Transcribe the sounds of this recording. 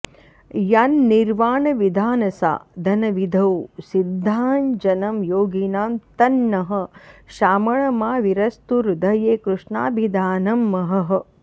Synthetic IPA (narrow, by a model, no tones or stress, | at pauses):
janːiɾʋaːɳɐʋid̪ʱaːnɐsa̰ːd̪ʱɐnɐʋid̪ʱɐwsid̪ʱːaːnd͡ʒɐnɐmjoːɡinaːmt̪ɐnːɐɦɐ̆ʃaːmɐɭɐmaːʋiɾɐst̪uɾud̪ɐjeːkɾuʂɳaːbʱid̪ʱaːnɐmːɐɦɐɦɐ̆